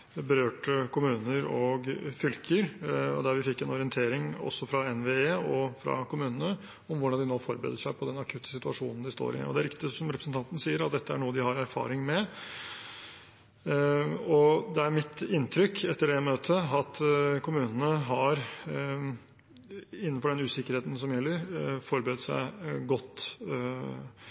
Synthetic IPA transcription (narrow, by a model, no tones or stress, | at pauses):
bəɾøːʈkʊmʉːnəɾɔɡfʏlkʰəɾɔ̰d̪æɾʋɪfɪkːɛnɔɾɪənt̪ʰeːɾɪŋɔ̰sːɔfɾɑɛnʋeːeːɔfɾɑ̰kʊmʉːnənə | ɔmʋʊɖɑnd̪ɪnoːfɔɾbəɾḛːd̪əʂæɪpʰɔd̪ɛnɑkʰʉt̪ːə̥sɪt̪ʉɑʂṵːnn̩d̪ɪst̪o̰ːɾɪ̰ɔ̰d̪ɛæɾɪkt̪ɪsɔmɾɛpɾsn̩t̪ɑnt̪ənəsiːəɾɑt̪̚d̪ɛt̪ːəæɳuːəd̪ɪhɑɾæɾfɑ̰ːɾɪŋmɛ | ɔd̪ɛæɾmɪt̪ɪnt̪ʰɾʏkːɛt̪ːəɖɛmøːt̪ʰəɑt̪kʰʊmʉːnənəɦɑɾ | ɪnːnfɔɖɛnʉːsɪkəɾheːt̪n̩sɔmjɛlːəɾfɔɾbɾɛːd̪əsæ̰ɪɡɔt̪ː